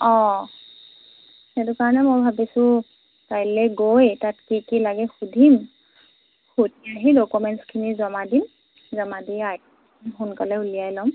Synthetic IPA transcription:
ɔ | ɛtʊkaɹɔnɛmojbʱabisʊ̃ | tajlɛɡojtatkikilaɡɛxudʱim | xutiaɦidokumɛntskʰinizɔmadim | zɔmadiak̚ | ɦunkalɛulijajlɔm

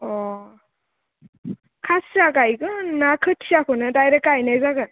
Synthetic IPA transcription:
ɔ | kʰasaɡajɡɯnakʰɯtʰiakʰɔnɯdajɾek̚ajnajzaɡɯ

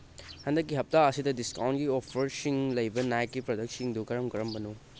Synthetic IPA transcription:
hɐndɐkːiɦɐp̚taɐsidɐdiskawntɡiɔpʰɐɾsiŋlɐjbɐnajkːipɾodɐk̚siŋdukɐɾɐmkɐɾɐmbɐnu

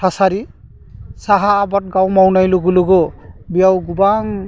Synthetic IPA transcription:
asaɾi | saɦaːbɔt̚ɡawmawnajloɡuloɡɔbijawɡubaŋ

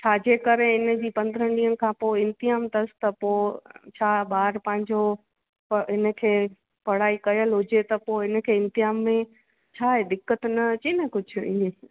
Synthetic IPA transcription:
t͡ɕʰaːd͡ʑeːkɐɾeɪnə̆d͡ʑiːpɐ̃nd̪əɾəɖiːɦənɪ̆kʰãːpoːɪ̃nt̪ɪɦaːmt̪ɐst̪ɐpoːt͡ɕʰaːɓaːɾpɐ̃ɦɪ̃ɲd͡ʑo | pɦɪnə̆kʰeː | pɐɽ̤aːikɐjəlɦʊd͡ʑet̪ɐpoɦɪn̆kʰeːɪ̃nt̪ɪɦaːmːẽ | t͡ɕʰaːɦed̪ɪkːət̪nɐt͡ɕinəkʊd͡ʑʱi

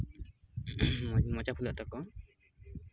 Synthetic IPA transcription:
mɔt͡ʃapʰulat̪ɔkɔ

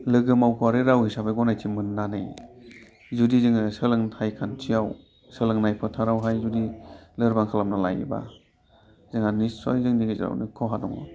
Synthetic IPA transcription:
lɯɡɯmawkʰaɾɯɾawhisabajɡɔnajtʰimɯnːanɯj | zudizɯŋɯsɯlɯŋtʰajkʰantʰijaw | sɯlɯŋnajpʰɯtʰaɾawɦajzudilɯɾbaŋkʰalamnala̰jḭba̰ | zɯŋanisɔjzɯŋniɡez̰ɾa̰wnɯ̰kʰɔɦadɔŋɔ̰

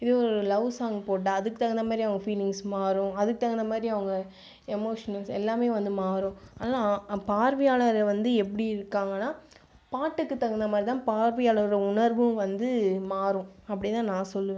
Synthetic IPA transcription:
ɪðɯɔɾɯlɐʊsaːŋɡɐpoːʈ̬ːaːɐðɯkːɯt̪ɐɣɐnd̪ɐmaːd̪ɾiɐʋɐŋɡɐfiːlɪŋɡsmaːɾʊ̃ɐðɯkːɯt̪ɐɣɐnd̪ɐmaːd̪ɾiɐʋɐŋɡɐ | ɛmoːʂɐnɐlsɛ̰lːaːmeːʋɐnd̪ɯmaːɾʊ̃ɐnaːlapaːɾʋɐjaːlɐɾʋɐnd̪ɯɛpːɐɽiɪɾɯkːaːŋɡɐnːaː | paːʈːɯkːɯt̪ːɐɣɐnd̪ɐmaːd̪ɾit̪ãːpaːɾʋɪjaːlɐɾɯɾɐʊɳɐɾʋɯmʋɐnd̪ɯmaːɾʊ̃ɐpːɐɽɪt̪ãːnãːsɔlːɯʋẽ

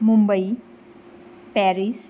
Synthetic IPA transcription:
mumbəj | pɛɾis

